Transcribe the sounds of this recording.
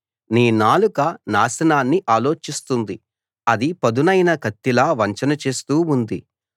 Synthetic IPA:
niːnaːlukɐnaːsɐnaːnːiʔaːlo̞ːt͡ʃist̪und̪i | ɐd̪ipɐd̪unɐjnɐkɐt̪ːilaːʋɐɲt͡ʃɐnɐt͡ʃe̞ːst̪uːund̪i

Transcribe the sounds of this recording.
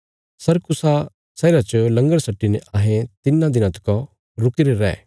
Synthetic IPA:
sɐɾkʊsa | sɛːɾat͡ʃəlɐ̃ŋɡəɽsɐʈːinɛʔaːɦẽt̪ɪnːãd̪ɪnãt̪ɪ̥kɔ | ɾʊkɪɾeɾɛ̰ː

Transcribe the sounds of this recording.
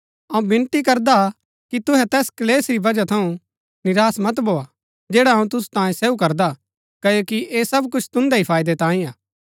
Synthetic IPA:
ɐũbɪ̃nt̪ikɐɾd̪a | kit̪ʊɦɛt̪ɛːskɐleːsɾibɐd͡ʒat̪ʰɐũ | nɪɾaːsmɐt̪bʱoːa | d͡ʒɛːɽaɦɐũt̪̬ʊsu̥t̪ãːjẽseːukɐɾd̪a | kɐjoːkiʔesɐbkʊt͡ʃʰt̪ʊ̃nd̪aipʰaːjd̪et̪ãːĩaː

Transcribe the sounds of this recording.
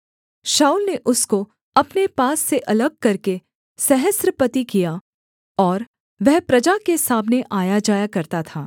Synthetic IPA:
ʃaːulneʔʊsko | ɐpnepaːsːeʔɐləɡ̚kɐɾke | sɛɦəsɾəpɐt̪ikija | ɔːɾ | ʋɛɦpɾɐd͡ʒakesaːmneʔaːjad͡ʒaːjakɐɾt̪at̪ʰaː

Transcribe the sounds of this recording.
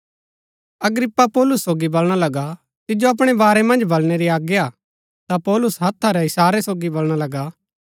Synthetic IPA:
ɐɡɾɪpːapɔːlʊsːoːɡibɐlɽ̃alɐɡa | t̪ɪd͡ʒoɐp̬ɽ̃ebaːɾemɐ̃nd͡ʒbɐlɽ̃eɾiaːɡja | t̪apɔːlʊsɦɐt̪ʰːaɾɛɪsaːɾesoːɡibɐlɽ̃alɐɡaː

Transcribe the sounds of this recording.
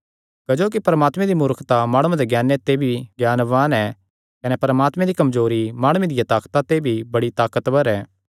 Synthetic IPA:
kɐd͡ʒoːk̬ipɐɾəmaːt̪mɛ̃d̪imʊɾkʰt̪amaːɽ̃ud̪eɡjaːnːet̪ebʱiɡjaːnʋaːnɛ | kɐnɛpɐɾəmaːt̪mɛ̃d̪ikɐmzoːɾimaːɽ̃ued̪ɪjat̪aːkt̪at̪ebʱibɐɽit̪aːkət̪bəɾɛː

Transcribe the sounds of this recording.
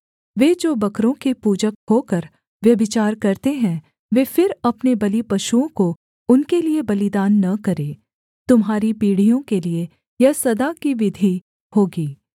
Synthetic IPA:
ʋeːd͡ʒoːbɐkɾõkipuːd͡ʒəkɦoːkəɾ | ʋjɐbɪt͡ʃaːɾkɐɾt̪eɦɛ̃ | ʋeːfɪɾɐpnebɐlipɐʃuõko | ʊnkeliebɐlɪd̪aːnːɐkɐɾeː | t̪ʊmɦaːɾipiːɽ̤ijõkelie | jɐsɐd̪akiʋɪd̪ʱi | hoːɡiː

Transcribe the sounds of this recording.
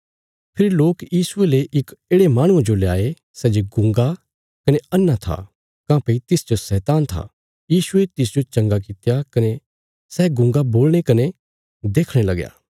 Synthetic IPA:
pʰɪɾiloːkjiːsʊeleʔɪkeːɽemaːɽ̃ʊãd͡ʒolejaːe | sɛːd͡ʒeɡʊ̃ŋɡa | kɐneɐnːat̪ʰa̰ | kãːpɐit̪ɪsd͡ʒosɛːt̪aːnt̪ʰa̰ | jiːsʊet̪ɪs̬d͡ʒot͡ʃɐ̃ŋɡak̬ɪt̪jakɐne | sɛːɡʊ̃ŋɡaboːlɽ̃ekɐne | d̪eːkʰɽ̃elɐɡja̰ː

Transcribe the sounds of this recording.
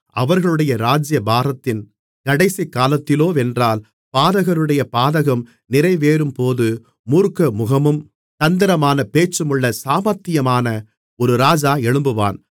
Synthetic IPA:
ʔɐʋɐɾɣɐɭɯɽɐjɐɾaːd͡ʒjɐbaːɾɐt̪ːɪn | kɐɽɐɪsikːaːlɐt̪ːɪloːɛndraːl | paːðɐɣɐɾɯɽɐjɐpaːðɐɣɐm | nɪɾɐɪʋeːɾɯmpoːðɯ | muːɾkɐmʊɣɐmɯm | t̪ɐnd̪ɪɾɐmaːnɐpeːt͡ʃːɯmɯɭːɐsaːmɐt̪ːɪjɐmaːnɐ | ɔɾɯɾaːd͡ʒaːɛɻɯmbɯʋa̰ːn

